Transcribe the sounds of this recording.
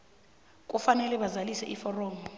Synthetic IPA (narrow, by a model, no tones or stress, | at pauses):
k̬ʼufanɛlɛɓazalisɛʔifɔrɔːmɔ